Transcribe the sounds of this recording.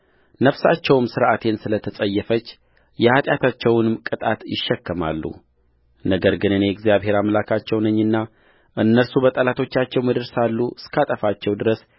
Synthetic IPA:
nəfsa̰t͡ʃːɛwmsɨɾʔat̪ʰe̞nsɨlət̪ʰəsʼəjːɛfət͡ʃː | jɛhat̪ʼjat̪ʰat͡ʃːɛwnɨmkʼɨt̪ʼat̪jɪ̰ʃːɛkːəma̰lːṵ | nəɡəɾɡɨnɨnejɛɡzijaβɦe̞ɾamlakʰat͡ʃːɛwnəɲːɨnːa | ʔɨnːəɾsubət̪ʼəlat̪ʰo̞t͡ʃːat͡ʃːɛwməd̪ɨɾsalːuɨskʰat̪ʼəfat͡ʃːɛwd̪ɨɾəs

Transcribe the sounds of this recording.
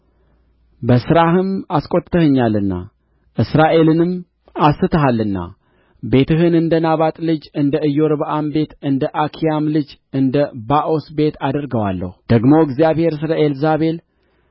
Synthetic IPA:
bəsɨɾahɨmaskʼo̞t̪t̪ʰːəhəɲːalːɨnːa̰ | ʔɨsɾaʔe̞lɨnɨm | asːɨt̪ʰəɦalːɨnːa̰ | be̞t̪ʰɨɦɨnɨnd̪ənaβat̪ʼlɨd͡ʒɨnd̪əʔɨjːo̞ɾβəʔambe̞t̪ɨnd̪əʔakʰijamlɨd͡ʒɨnd̪əbaʔo̞sbe̞t̪ʰad̪əɾɡəwalːə̰hud̪̥əɡmo̞ɨɡzijaβhe̞ɾs̬ɨləelzaβe̞l

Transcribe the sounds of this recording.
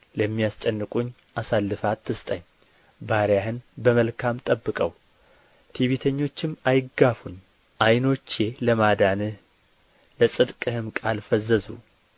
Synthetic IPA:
ləmːijast͡ʃʼɛnːɨkʼuɲː | ʔasalːɨfat̪ʰːɨst̪ʼəɲː | baɾjahɨnbəməlkʰamt̪ʼəbːɨkʼəw | t̪ʰiβit̪ʰəɲːo̞t͡ʃːɪmajɪɡafuɲ | ʔajno̞t͡ʃːe̞ləmad̪anɨ | ləsʼɨd̪kʼɨhɨmkʼalfəzːəzṵ

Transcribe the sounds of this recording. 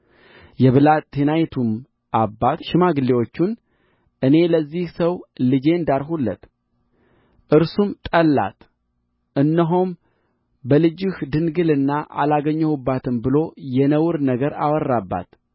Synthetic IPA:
jɛβɨlat̪ʰːenajt̪ʰum | ʔabːat̪ʃɪmaɡɨlːewo̞t͡ʃːun | ʔɨne̞ləzːihsəwlɨd͡ʒe̞ɨnd̪aɾɦulːə̰t̪ | ʔɨɾsumt̪ʼəlːa̰t̪ | ʔɨnːəɦom | bəlɨd͡ʒɪhd̪ɨnɡɨlɨnːaʔa̰laɡəɲːəhubːat̪ʰɨmbɨlo̞jɛnəwɨɾnəɡəɾa̰wərːabːa̰t̪

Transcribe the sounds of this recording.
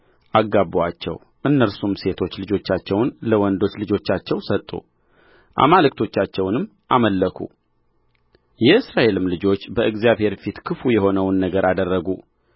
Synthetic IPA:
ʔaɡːabwat͡ʃːɛ̰w | ʔɨnːəɾsumse̞t̪ʰo̞t͡ʃːlɨd͡ʒo̞t͡ʃːat͡ʃːɛwnləwɔnd̪o̞t͡ʃːlɨd͡ʒo̞t͡ʃːat͡ʃːɛwsət̪ʼːṵ | ʔa̰malɨk̚t̪ʰo̞t͡ʃːat͡ʃːɛwnɨmː | ʔaməlːəkʰṵ | jɛɨsɾaʔe̞lɨmlɨd͡ʒo̞t͡ʃːbəʔɨɡzijaβhe̞ɾfit̪kʰɨfujɛho̞nəwnːəɡəɾʔad̪ərːəɡu

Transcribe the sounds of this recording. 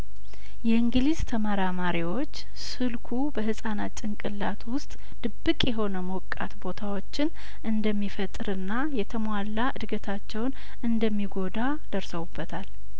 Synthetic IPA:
jɛɨŋɡlizt̪ʰəmaɾamaɾiwo̞t͡ʃː | sɨlkʰubəɦɨsʼanat̪ʼɨŋkʼɨlːat̪ʰwʊst̪ʼ | d̪̥ɨbːɨkʼjɛɦo̞nəmokʼːa̰t̪bo̞t̪ʰawo̞t͡ʃːɪn | ʔɨnd̪əmːifət̪ʼɨɾɨnːajɛt̪ʰəmalːaʔɨd̪ɡət̪ʰat͡ʃːɛwn | ʔɨnd̪əmːiɡo̞d̪a | d̪̥əɾsəwubːət̪ʰal

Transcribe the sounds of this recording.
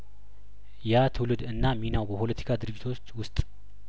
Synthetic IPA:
jat̪ʰɨwlɨd̪ɨnːaminawbəpʰo̞lət̪ʰi̥kʰad̪ɨɾɨd͡ʒit̪ʰo̞t͡ʃːwʊst̪ʼ

